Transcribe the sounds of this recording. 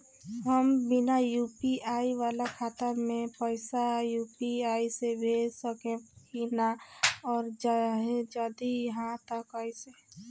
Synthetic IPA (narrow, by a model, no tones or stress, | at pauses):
ɦəmbɪnajuːpiaːiwaːlakʰaːt̪amẽpəɪsajuːpiaːisebʱeːsəkẽkinaɔːɾd͡ʒaɦed͡ʒaːd̪ijɦãt̪əkaːise